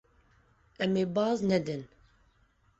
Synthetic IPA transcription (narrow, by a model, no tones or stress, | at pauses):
ɛmeːbɑːznɛd̪ɨn